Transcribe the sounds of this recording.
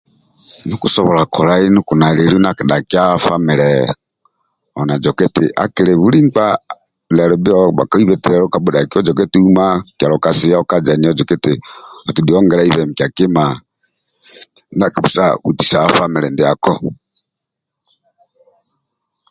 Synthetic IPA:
nukusɔβɔlakʰɔlainukunaliɾunakiɗakjafamiɾɛ | ɔnad͡ʒɔkɛtḭʔa̰kiɾɛβuliŋk͡pa | lɛɾɔbiɔba̰kaiβɛtiɾɛɾɔkabuɗakiɔd͡ʒɔkɛtiumakjaɾɔkasijaɔkad͡ʒaniɔd͡ʒɔkɛtiɔtudiɔŋɡɛɾaiβɛmikʲjakima | nakiβusauti̥saːfamiɾɛndiakɔ

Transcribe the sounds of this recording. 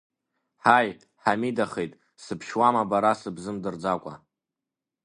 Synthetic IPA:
ħaj | ħamidaχejtʼ | sɨpʰʃwamabaɾasɨbzɨmdɨrd͡zakʷʼa̰

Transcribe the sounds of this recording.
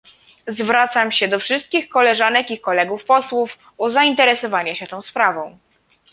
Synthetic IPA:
zvɾat̪samɕɛd̪ɔfʂɘst̪kʲixkɔlɛʐanɛkikɔlɛɡufpɔswuf | uzaint̪ɛɾɛsɔvaɲaɕɛt̪ɔ̃w̃spɾavɔ̃w̃

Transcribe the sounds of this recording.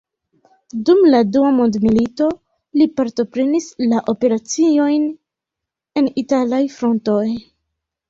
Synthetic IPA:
dumladuamo̞ndmilito̞ | lipaɾto̞pɾe̞nislaʔo̞pe̞ɾat͡sio̞jn | e̞nitalajfɾo̞nto̞j

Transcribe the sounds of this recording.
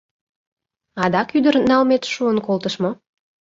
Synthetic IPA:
ɑd̪ɑkyd̪ərnɑlmet̪ʃuənkolt̪əʃmo

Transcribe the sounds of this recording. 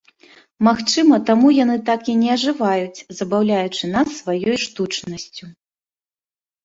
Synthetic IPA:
maxt͡ʂɨmɐt̪amujanɨt̪akinʲɛɐʐɨvajut͡sʲzɐbawlʲajut͡ʂɨnasːvajɔjʂt̪ut͡ʂnɐsʲt͡sʲu

